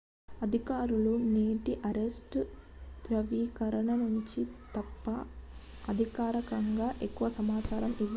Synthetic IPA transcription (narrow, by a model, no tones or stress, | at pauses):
ɐd̪ʱikaːɾuluneːʈiʔɐɾesʈt̪ɾɐʋiːkɐɾɐɳɐnuɲt͡ʃit̪ɐpːɐ | ɐd̪ʱikaːɾɐkɐŋɡaːʔekːuʋɐsɐmaːt͡ʃaːɾɐmiʋːɐ